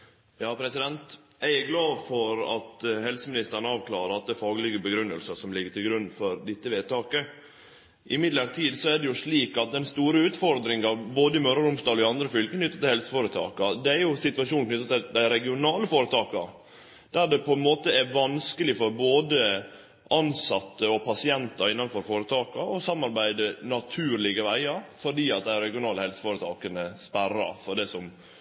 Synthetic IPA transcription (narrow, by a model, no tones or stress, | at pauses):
jɑːpʰɾɛsɪd̪ɛnt̪ | æɪæɡlɑːʋfɔɾɑ̰t̪hɛlsəmɪnɪst̪əɳɑːʋkʰlɑ̰ːɾəɑt̪̚d̪ɛfɑːɡəlɪɡəbəɡɾʉnːə̰lsəsɔmlɪɡːət̪ʰɪlɡɾʉnːfɔɾd̪ɪt̪ːəʋeːd̪̚t̪ɑːkə | ʔɪmɪd̪ləɾt̪ʰiːd̪sɔædɖɛjʊʂɭiːkɑt̪̚d̪ɛnst̪uːɾəʉːt̪fɔɾd̪ɾɪŋɑboːd̪əɪmœɾəɾʊmst̪ɑːd̪ɔɪɑnd̪ɾəfʏlkəkʰnʏt̪ːət̪ʰɪlhɛlsə̥foːɾət̪ʰɑ̰ːkɑd̪ɛæɾjʊsɪt̪ʋɑʂuːnk̪nʏt̪ːɑt̪ɪd̪æɪɾɛɡɪʊnɑːləfoːɾət̪ʰɑːkɑɾ | d̪̥æɾɖɛpʰɔɛnmoːt̪əɛʋɑnskəlɪfɔɾboːd̪ə | ʔɑnsɑt̪ːəɔpʰɑsɪɛnt̪ɑɾɪnːɑnfɔɾfoːɾət̪ʰɑːkɑɔsɑmːɑɾbæɪd̪ənɑt̪ʰʉːɾlɪɡəʋæɪɑfɔɖiːɑt̪̚d̪æɪɾɛɡɪʊnɑːləhɛlsə̥foːɾət̪ʰɑːkənəspæɾɑ̰fɔɖɛsɔm